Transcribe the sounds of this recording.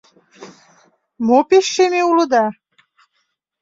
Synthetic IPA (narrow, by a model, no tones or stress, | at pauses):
mopeʃːemeulod̪a